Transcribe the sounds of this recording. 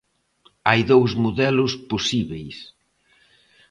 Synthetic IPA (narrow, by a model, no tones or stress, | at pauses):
ajðowzmoðɛlʊsposiβejs